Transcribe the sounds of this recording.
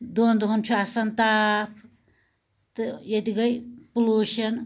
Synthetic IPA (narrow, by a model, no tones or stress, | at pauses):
d̪ond̪uɦɐnt͡ʃʰuasɐnt̪apʰ | t̪ɨjed̪iɡɐjpuluʃɐn